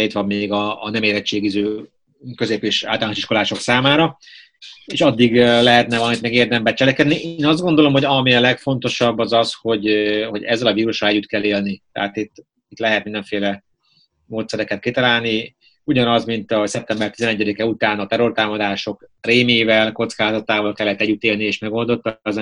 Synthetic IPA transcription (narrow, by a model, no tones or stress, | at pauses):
it̪ʋɒmːeːɡɒːnɛmeːɾɛt͡ʃːeːɡizøː | kø̞zeːpeːʃa̰ːlt̪alnoʃi̥ʃko̞laːʃo̞ksaːmaːɾɒ | eːʃɒd̪ːiɡlɛɦɛt̪̚nɛvɒlɒmit̪mɛɡeːrd̪ɛmbɛt͡ʃɛlɛkɛd̪niʔeːnɒzd̪ɡo̞nd̪o̞lo̞mɦoɟɒmiɒlɛkfo̞nt̪o̞ʃɒbːɒzɒsho̞ɟhoɟɛzːɛlɒviːɾuʃrɒlɛɟːyt̪kɛlːeːlnit̪ɛ̰ɦat̪it̪ː | it̪lɛɦɛt̪̚mind̪ɛɱfeːlɛ | moːt̪sɛɾɛkɛt̪̚kit̪ɒlaːlni | uɟɒnɒzmint̪ɒsɛp̚t̪ɛmbɛrt̪izɛnɛɟːɛd̪ikɛut̪aːnɒt̪ɛɾo̞rt̪aːmɒd̪aːʃo̞kreːmeːvɛlko̞t̪skaːzɒt̪aːvɒlkɛlːɛt̪ːɛɟːyt̪eːlnieːʃmɛɡo̞ld̪o̞t̪ːɒzɛ